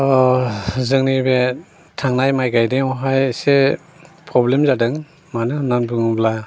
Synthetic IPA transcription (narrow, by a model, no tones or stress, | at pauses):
ɔ | zɯŋnibe | tʰaŋnajmajɡajdeŋɔɦajse | pʰɾɔblemzadɯŋ | manɯnanbɯŋɯbla